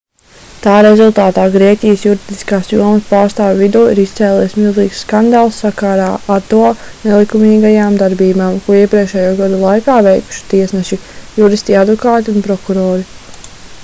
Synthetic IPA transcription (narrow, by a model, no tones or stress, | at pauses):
t̪aːɾezulˠt̪aːt̪aːɡɾiɛcʲijəsjuɾid̪i̥skaːsjuɔməspaːɾst̪aːvʲvid̪uːiɾist̪sɛːlˠiːsmilˠziːkssːkand̪aːlˠsːakaɾaːat̪ɔɔnɛlˠikumiːɡajaːmd̪aɾbiːumaːmkuɔiɛpɾiɛkʃɛːjuːɡad̪ulˠajkaːvɛjku̥ʃi̥t̪iɛsnɛʃijuɾist̪iad̪vɔkaːt̪iunpɾɔkuɾɔːɾi